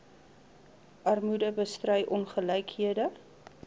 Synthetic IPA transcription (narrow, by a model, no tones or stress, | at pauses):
ʔɐrmudəbəstrœjʔɔnχəlɛjkɦiədə